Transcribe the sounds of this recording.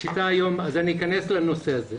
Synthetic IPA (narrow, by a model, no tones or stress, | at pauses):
ʃit̪aːjo̞mazaniːkaneslano̞seaze